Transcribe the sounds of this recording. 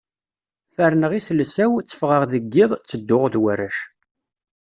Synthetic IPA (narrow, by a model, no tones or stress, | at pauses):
fæɾnəʁislsæwt͡sːə̥fʁəʁðəɡːɪðˤt͡sːəd̪ːʊʁðwærːəʃ